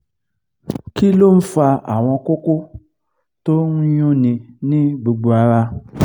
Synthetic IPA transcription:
ki˦lo˦˨n̩˦fa˧a˨w̃ɔ̃˧ko˦ko˦ | to˦n̩˦jũ˦nĩ˧nĩ˦ɡ͡bu˨ɡ͡bu˨a˨ɾa˧

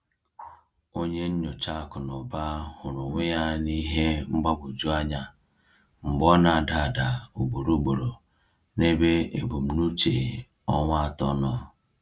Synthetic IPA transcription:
o˦ɲe˦n̩˦ɲʊ˨t͡ʃa˦˨kʊ˨nʊ˨ba˦hʊ˨ɾʊ˨ŋʷɪ˦ja˦ni˦ɦe˦ŋ͡m̩˦ɡ͡ba˦bu˨d͡ʒu˦a˦ɲa˨ | ŋ͡m̩˨ɡ͡bɔ˦na˨da˨da˨u˨ɡ͡bo˨ɾo˨˦ɡ͡bo˨ɾo˨ | ne˦be˦ḛ˨bo˨m̩˨nu˦t͡ʃe˨ | ɔ˦ŋʷ˦a˦tɔ˦nɔ˦

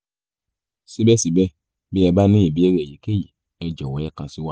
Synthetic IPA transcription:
si˦bɛ˦si˨bɛ˦ | bi˦ɛ˧ba˦nĩ˦i˨bi˨˦ɛ˦ɾɛ˦˨ji˨˦ke˦ji˨ | ɛ˧d͡ʒɔ˨wɔ˨˦ɛ˦kã˧si˦wa˦

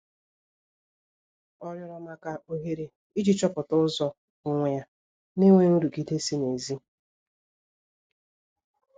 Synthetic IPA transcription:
ɔ˦ɲɔ˦ɾɔ˨ma˨ka˨ʔo˦ɦe˨ɾe˨ | i˦d͡ʒi˦t͡ʃɔ˦pʊ˨tʊ˦zɔ˨ | ʊ˨ŋʷe˨ja˦ | ne˦ŋʷe˦nu˦ɾu˨ki˦te˦si˦ne˨zi˦

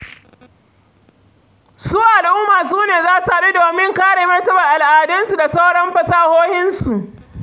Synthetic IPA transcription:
suː˦ʔa˨lʔʊ˦maː˨s̬uː˦neː˨zaː˦sa˨ɾe˦doː˨mɪ˦ŋkaː˦ɽeː˨mɐ˦rtɐ˦bɐ˨ʔa˨lʔaː˨dɐ˦nsu˨da˨sa˦wɽɐ˦mɸɐ˨saː˦hoː˦hɪ˦nsu˨ʔ

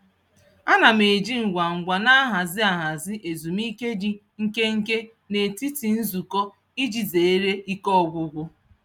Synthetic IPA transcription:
a˦na˨me˨d͡ʒi˦ŋ̩˨ɡʷa˨ŋ̩˨ɡʷa˨na˦a˦ɦa˨zɪ˦a˨ɦa˨zɪ˦ʔe˨zu˨mi˦ke˦d͡ʒi˦ | ŋ̩˦ke˦ŋ̩˦ke˦ | ne˨ti˦ti˨n̩˦zu˨kɔ˦ | i˦d͡ʒi˨ze˨e˦ɾe˦i˦kɔ˦˨ɡʷʊ˦ɡʷʊ˦

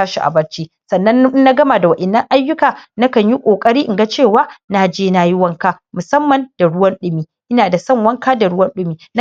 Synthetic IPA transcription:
aː˦ʃi˨ʔa̰˨bɐ˦ɽt͡ʃiː˦sɐ˨nːɐ˦n˦na˦ɡɐ˦ma˨da˨wɐ˨ʔɛ˨nːɐ˦ŋʔa˦jːʊ˦kaː˨na˦kɐ˨ɲji˦kʷʼoː˨kʼɐ˦ɽiː˦ʔɪ˨ɡa˦t͡ʃeː˦˨waː˦na˦d͡ʒeː˦naː˦ji˦wɐ˦ŋkaː˦ | mʊ˨sɐ˦mːɐ˨nd̥a˨ɽʊ˦wɐ˦nɗʊ˦miː˨ʔɪ˦naː˨da˨sɐ˦ŋwɐ˦ŋkaː˦da˨ɽʊ˦wɐ˦nɗʊ˦miː˨n˦

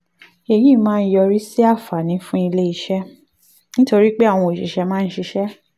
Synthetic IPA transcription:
e˨ji˦˨˦mãː˦˧n̩˦jɔ˧ɾi˦si˦a˦˨fa˨nĩ˨˦fũ˦i˧le˦i˧ʃɛ˦ | nĩ˦to˧ɾi˦k͡pe˦a˦˨w̃ɔ̃˧o˨ʃi˨ʃɛ˧mãː˦˧n̩˦ʃi˧ʃɛ˦

